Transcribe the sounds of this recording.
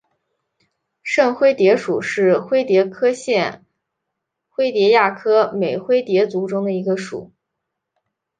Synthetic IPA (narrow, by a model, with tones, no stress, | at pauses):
ʂə˥˩nxwe˥ɪt̪jɛ˧˥ʂu˨˩ʂɻ̩˥˩xwe˥ɪt̪jɛ˧˥kʰɤ˥ɕjɛ˥˩n | xwe˥ɪt̪jɛ˧˥ja˥˩kʰɤ˥me˨˩ɪxwe˥ɪt̪jɛ˧˥t͡su˧˥ʈ͡ʂʊ˥ŋd̪ə˨i˧˥ɡə˧ʂṵ˨˩˦